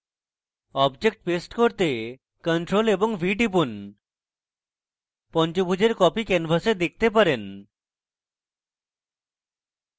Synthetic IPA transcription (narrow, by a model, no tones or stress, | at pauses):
ɔbd͡ʑek̚ʈ̚pesʈkoɾt̪e | kənʈɾoleboŋbʱiʈipun | pɔnt͡ɕobʱud͡ʑeɾkɔpikenfʰased̪ek̚t̪epaɾen